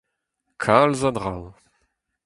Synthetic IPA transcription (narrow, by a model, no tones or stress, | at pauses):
kʰalzad̪ʁaw